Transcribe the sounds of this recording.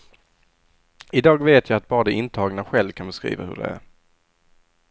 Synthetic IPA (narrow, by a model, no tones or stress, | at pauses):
ɪd̪ɑːɡveːt̪ʰjajat̪̚bɑːɾad̪ɛɪnt̪ʰɑːɡnaɧɛlvkʰanbɛskɾḭːva̰hɵ̰ɖɛ̰æ̰ɾ